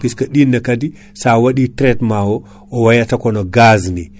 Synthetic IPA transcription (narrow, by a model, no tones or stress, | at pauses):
piskaɗinːɐkadi | sawaɗitɾetmawo | owajatakonoɡazni